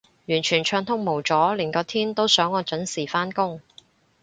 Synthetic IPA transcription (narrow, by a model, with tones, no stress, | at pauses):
jyː˨˩nt͡ʃʰyː˨˩nt͡ʃʰœː˧ŋt̪ʰʊ˥ŋmo˨˩wt͡sɔː˨˥lɪ˨˩ŋkɔː˧t̪ʰiː˥nt̪o˥wsœː˨˥ŋːɔː˨˧t͡ʃɵ˨˥nsiː˨˩faː˥nkʊ˥ŋ